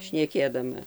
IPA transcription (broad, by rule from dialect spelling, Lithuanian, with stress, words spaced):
ʃʲnʲɛˈkʲeːdɐmɐ